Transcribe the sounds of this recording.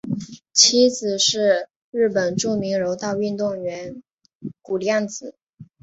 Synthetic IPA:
t͡ɕʰi˧˥t͡sɹ̩˨˩ʂɻ̩˥˧ | ɻɻ̩˥˩pə˨˩nʈ͡ʂu˥˩mi˧˥ŋɻo˧˥ʊt̪ɑ˥˧ʊy˥˧nt̪ʊ˥˩ŋɥɛ˧˥n | ku˨˩ljɑ˥˩ŋt͡sɹ̩˨˩˦

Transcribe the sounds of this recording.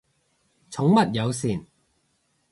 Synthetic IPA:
t͡sʰʊ˨˥ŋmɐ˨t̚jɐ˨˧wsiː˨˩n

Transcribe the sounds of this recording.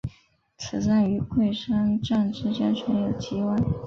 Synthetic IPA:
t͡sʰɹ̩˨˩sa˥˩ny˧˥kʰwe˥˩ɪʂa˥nʈ͡ʂa˥˧nʈ͡ʂɻ̩˥˧t͡ɕjɛ˥nʈ͡ʂʰwə˧˥njo˨˩ʊt͡ɕi˧˥wa˥n

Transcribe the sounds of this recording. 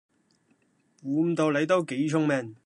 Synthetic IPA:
wuː˨˧t̪o˨˧wle˨˧˥t̪o˥wke˨˥jt͡sʰʊ˥ŋmɛː˧n

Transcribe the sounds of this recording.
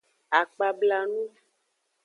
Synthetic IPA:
a˨k͡pa˨bla˨nũ˦

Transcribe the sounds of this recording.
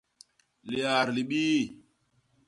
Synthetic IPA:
li˨a˨ɾli˨ɓiː˦

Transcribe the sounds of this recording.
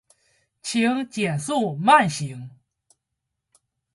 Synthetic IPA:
t͡ɕʰi˧˥ŋt͡ɕjɛ˨˩nsu˥˧ma˥˩nɕi˧˥ŋ

